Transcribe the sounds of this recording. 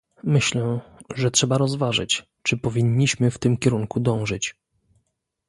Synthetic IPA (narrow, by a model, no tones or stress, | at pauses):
mɘɕlɛ̃ʐɛtʂɛbaɾɔzvaʐɘ̰t͡ɕ | t͡ʂɘpɔvʲiɲːiɕmɘft̪ɘmkʲɛɾuŋkud̪ɔ̃w̃ʐɘt͡ɕ